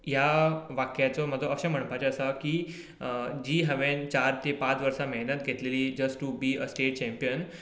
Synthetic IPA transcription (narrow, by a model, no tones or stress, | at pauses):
jaʋakjat͡sɔməd̪ʱoəɕãm̤əɳ̃pat͡ɕeəsakiː | d͡ʑiːɦæʋẽnt͡ɕaɾt̪epat͡sʋəɾsameɦnət̪ɡʱet̪leliːd͡ʑəsʈubiːəsʈeʈ̚t͡ɕɛ̃mpijən